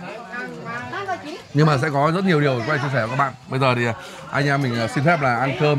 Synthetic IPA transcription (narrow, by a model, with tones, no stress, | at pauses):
ɲɨ˧ŋmaː˨˩s̬ɛ̰˧˥kɔ˨˦zə˦˥t̚ɲi˨˩ɗi˨˩əwkwa˧˩t͡ɕi˧s̬ɛː˧˩˨kaː˦˥k̚ɓ̰a̰ː˧˨ɓə˧jzəː˨˩t̪ʰi˨˩˨ | ʔa˧jŋ̟ʔaː˧mï˨˩ŋ̟ʔːsi˧nfɛ˦˥p̚laː˨˩ʔaː˧nkəː˧